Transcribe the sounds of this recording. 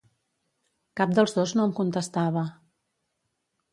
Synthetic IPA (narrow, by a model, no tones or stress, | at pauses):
kap̚d̪əlˠzðoznoəmkunt̪əst̪aβ̞ə